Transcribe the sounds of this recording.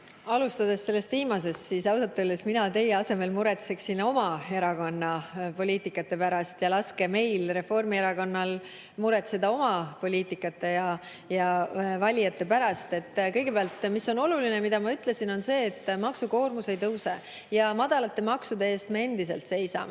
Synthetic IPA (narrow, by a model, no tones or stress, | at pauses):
ɑlust̪ɑd̪̥e̞sːe̞lːe̞st̪viːmɑse̞st̪sisɑwsɑt̪ːˑølːesminɑt̪e̞jeɑse̞me̞lmuɾe̞t̪se̞ksino̞mɑeɾɑko̞nːɑpo̞lʲiːt̪ˑikːˑɑt̪ːe̞pæɾɑst̪jɑlɑske̞me̞jlre̞fo̞rmieɾɑko̞nːɑl | muɾe̞t̪sed̪ɑo̞mɑpo̞lʲiːt̪ˑikːˑɑt̪ːˑe̞jɑ | jɑvɑlʲijɑt̪ːˑe̞pæɾɑst̪e̞t̪ːkɤjɡ̥e̞peɑlt̪ˑmisːo̞no̞lulinemid̪̥ɑmɑyt̪ˑle̞sino̞nse̞ːt̪ːˑmɑksuko̞ːrmuse̞jt̪ɤwse | jɑmɑd̪̥ɑlɑt̪ːe̞mɑksud̪e̞e̞ːst̪me̞e̞nd̪̥ise̞lt̪se̞jsɑ̰me